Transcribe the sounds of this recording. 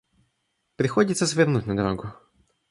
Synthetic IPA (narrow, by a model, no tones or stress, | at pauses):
pɾɪxɔdʲit̪sɐzʋʲernutʲnɐd̪ɐɾɔɡʊ